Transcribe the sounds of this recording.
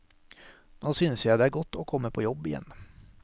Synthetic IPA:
noːsʏnsjad̪ɛæɾɡɔt̪ːɔːkʰɔmːəpʰɔjɔbːɪjɛ̰nː

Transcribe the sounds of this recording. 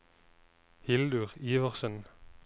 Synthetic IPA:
hɪld̪ʉʁiːʋəʁsœn

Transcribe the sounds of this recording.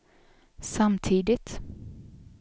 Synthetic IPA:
samt̪ʰiːd̪ɪt̪

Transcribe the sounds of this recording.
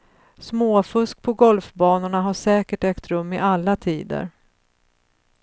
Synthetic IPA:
smoːfɵsk̚pʰɔɡɔlfbɑːnaɳaɦaʂɛːkəʈɛkt̪ɾɵmːɪʔalːat̪ʰiːd̪ə̰ɾ

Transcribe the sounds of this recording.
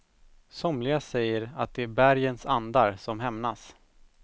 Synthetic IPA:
sɔmlɪɡasɛjːəɾat̪̚d̪ɛæbæɾjənsand̪aɾsɔmɦɛmnas

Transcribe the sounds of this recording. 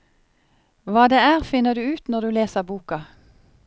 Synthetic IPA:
ʋɑːd̪eːæːʁfɪnəʁd̪ʉːʉːt̪nɔʁd̪ʉːleːsəʁbuːkɑ

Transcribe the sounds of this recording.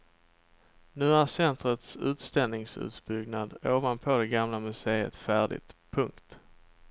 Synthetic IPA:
nʉ̟ːæɾsɛnt̪ɾət̪sʉ̟̰ːt̪st̪ɛlnɪŋsʉ̟̰ːt̪bʏɡnad̪oːvanpʰɔd̪ɛɡamlamɵseːə̰t̪fæːɖɪ̰t̪pʰɵŋkt̪

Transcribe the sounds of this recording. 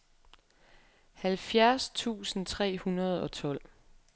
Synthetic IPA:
hælfjæɐst͡sʰṵːsn̩t͡sʰʁɛ̰ːhunɐð̞̩ˠɒ̽t͡sʰɒ̽l̰

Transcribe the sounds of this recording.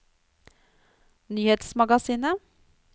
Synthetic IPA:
nyːheːt̪smɑɡɑsiːnə

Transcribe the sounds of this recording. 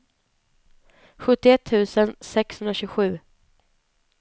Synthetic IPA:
ɧɵt̪ːɪɛt̪ʰːʉ̟ːsənsɛkshɵnd̪ɾaɕʉːɡəɧʉ̟ː

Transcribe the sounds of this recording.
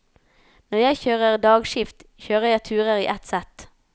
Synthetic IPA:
nɔʁjæɪçøːʁəʁd̪ɑːɡʃɪft̪çøːʁəʁjæɪt̪ʰʉːʁəʁḭːʔɛt̪sɛt̪

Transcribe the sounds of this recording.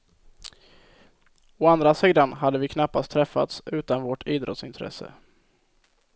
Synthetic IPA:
ɔand̪ɾasiːd̪anɦad̪ːəvɪkʰnapːast̪ʰːɾɛfːa̰t̪sʉ̟ːt̪anvoʈʰiːd̪ɾɔ̰t̪sɪnt̪ʰɾɛ̰sə̰

